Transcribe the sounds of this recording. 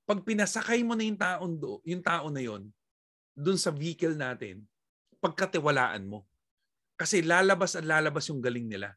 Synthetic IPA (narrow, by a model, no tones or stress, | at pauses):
pɐɡ̚pɪnɐsɐkajmonɐjʊŋt̪aːʔond̪oʔjʊŋt̪aːʔo̞nɐjo̞n | d̪ʊnsɐviːkɛlnaːt̪ɪ̰n | pɐɡ̚kɐt̪ɪwɐla̰ːʔɐ̰nmo̞ | kɐsɛlaːlɐbasɐt̪̚laːlɐbasjʊŋɡɐlɪŋnɪla̰